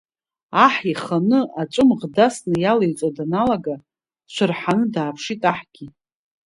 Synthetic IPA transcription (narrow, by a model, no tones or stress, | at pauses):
aħiχanɨʔat͡ʃʷʼʊmʁdasnɨjalajt͡ʃʷʼadanalaɡa | ʃʷɨrħanɨdaːpʰʂitʼaħɡʲi